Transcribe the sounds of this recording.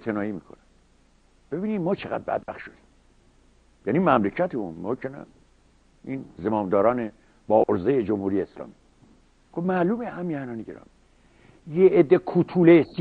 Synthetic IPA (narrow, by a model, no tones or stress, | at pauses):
t̪ʰenɒːiːmiːkʰonæ | b̥e̞biːnid̪mɒːt͡ʃʰeɣæ̰d̪̚bæ̰d̪̚bæxt̪ʃod̪i̥ːm | jænimæmlecʰæt̪ʰeunmoːkʰenæ̰ | inzemɒːnd̪ɒːɾɒːne | bɒːʔoɾzejed͡ʒomhuːɾijeːslɒ̰ːmi | ɡ̥obmæːluːmehæmiænɒːniɟeɾɒ̰ːmi | jeed̪ːekʰuːt̪ʰulesi